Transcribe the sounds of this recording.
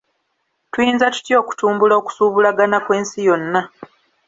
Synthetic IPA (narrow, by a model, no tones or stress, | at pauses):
tujiːnzatu̥tjo̞ːku̥tuːmbulao̞ku̥suːβulaɡanakwe̞ːnsijo̞nːa